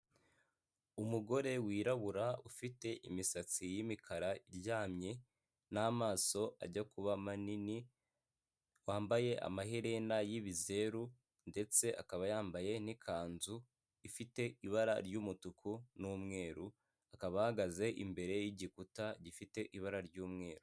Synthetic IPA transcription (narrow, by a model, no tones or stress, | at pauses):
umuɡo̞ɾe̞wiːɾaβuɾaufite̞ʔimisat͡sijimikʰaɾaiɾɟaːmɲe̞ | namaːso̞ʔa̰ɟakuβamanini | waːmbaje̞ʔa̰maɦeɾenajiβize̞ɾu | nde̞t͡se̞ʔakaβajaːmbaje̞nikʰaːnzu | ifite̞iβaɾaɾɟuːmutukʰunuːmŋe̞ːɾu | akaβahaɡaze̞ʔḭmbe̞ɾe̞jiɟikutaɟifite̞ʔiβaɾaɾɟuːmŋe̞ːɾu